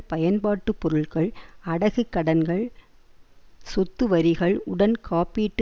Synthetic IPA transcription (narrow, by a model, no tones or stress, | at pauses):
pɐjɐnbaːʈːɯpːɔɾɯɭkɐɭɐɽɐɣɯkːɐɽɐnɡɐɭ | sɔt̪ːɯʋɐɾɪɣɐɭʊɽɐnkʰaːpiːʈː